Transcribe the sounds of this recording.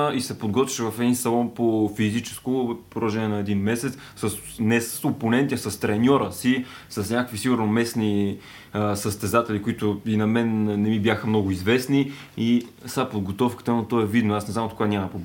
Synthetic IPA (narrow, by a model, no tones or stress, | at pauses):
isɛpod̪ɡɔt̪vʲiʃɛvɐfɛd̪insɐlˠɔnpofizit͡ʃɛ̥skopɾoɾˠɐʒɛnʲiɛnɐɛd̪inmɛsɛt̪s | səs | nɛsə̥soponɛnt̪isɐst̪ɾɛnʲɔɾəsi | sɐsnʲakəkvisiɡʊɾnomɛsni | səst̪ɛzat̪ɛlikoit̪ʊinɐmɛnːɛmibjaxəmnɔɡʊizvɛsni | isapod̪ɡot̪ɔfkə̥t̪ənot̪ɔɛvid̪noasnɛzamt̪okvanʲamɐpob